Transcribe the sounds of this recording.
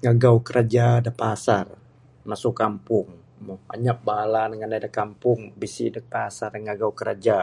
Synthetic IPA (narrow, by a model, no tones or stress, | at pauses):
ŋaɡawkəɾad͡ʒadapasar | masʊkampʊŋ | maba̰ɲak̚balanəŋanadakampʊŋbisḭdək̚pasarŋaɡawkəɾa̰d͡ʒa